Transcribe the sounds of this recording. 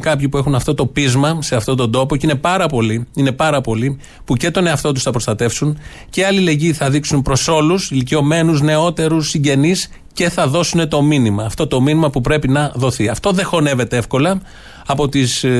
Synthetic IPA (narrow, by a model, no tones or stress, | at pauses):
kɐpçipue̞xunɐft̪o̞t̪o̞pizmɐse̞ɐft̪o̞t̪o̞nd̪o̞po̞cine̞pɐɾɐpo̞liine̞pɐɾɐpo̞li | puce̞t̪o̞ne̞ɐft̪o̞t̪usθɐpɾo̞st̪ɐt̪e̞fsun | ceɐlile̞ɟiθɐðiksunpɾo̞so̞lusilicio̞me̞nuzne̞o̞t̪e̞ɾusːiɲɟe̞nis | ce̞θɐðo̞sune̞t̪o̞minimɐːft̪o̞t̪o̞minimɐpupɾe̞pinɐðo̞θiɐft̪o̞ðe̞xo̞ne̞ve̞t̪e̞efko̞lɐ | ɐpo̞t̪is